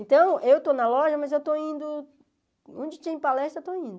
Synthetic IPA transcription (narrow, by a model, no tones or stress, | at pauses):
ẽnt̪ɐ̃w̃ewt̪onɐlɔʒɐmɐzewt̪oĩnd̪ʊ | õd͡ʒɪt͡ʃ̪ẽpalɛst̪ɾɐewt̪oĩnd̪ʊ